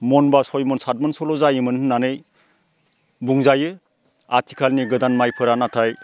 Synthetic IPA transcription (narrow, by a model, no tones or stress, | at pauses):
mɔnbasɔjmɔnsat̚mɯnsɔlɔzajɯmɯnɯnːanɯj | buŋzajɯ | atʰi̥kʰalniɡɯdanmajpʰɯɾanatʰaj